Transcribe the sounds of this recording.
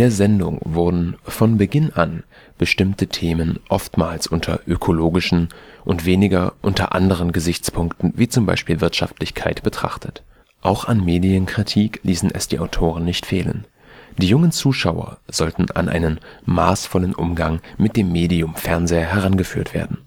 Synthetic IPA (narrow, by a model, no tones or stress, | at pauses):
d̥eːɐzɛndʊ̰ŋvʊɐdn̩fɔnbəɡɪnʔan | b̥əʃtɪmtətʰeːmənʔɔftmaːlsʔʊntʰɐ̰ʔøkʰoloːɡɪʃn̩ʔʊntv̥eːnɪɡɐʔʊntɐ̰ʔa̰ndəʁ̞ənɡəzɪçt͡spʰʊŋktn̩viːt͡sʊmba̰ɪʃpiːlvɪɐtʃaftlɪçkʰaɪtb̥ətʁ̥a̰χtʰət | ʔaʊxanmeːdiənkʁ̥itʰiːklʔiːsn̩ɛ̰sd̥iːʔaʊtʰoːʁ̞ənnɪçtfeːlə̰n | d̥iːjʊŋənt͡suːʃaʊɐ̰z̥ɔltn̩ʔa̰nʔa̰ɪnənmaːsfɔlənʔʊ̰mɡaŋmɪt̚d̥eːmːeːdiʊmfɛɐnzeːɐɦɛʁ̞anɡəfyːɐtv̥ḛːɐdn̩